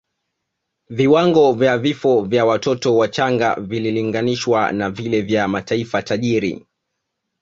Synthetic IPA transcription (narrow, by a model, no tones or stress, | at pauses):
viwaŋɡɔvjavifɔvjawatɔtɔwat͡ʃaŋɡa̰vililiŋɡaniʃwa̰navilɛvjamataifataʄiɾḭ